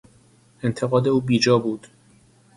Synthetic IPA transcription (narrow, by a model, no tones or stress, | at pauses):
e̞nt̪ʰe̞ɣɒːd̪e̞uːbiːd͡ʒɒːbuːd̪̥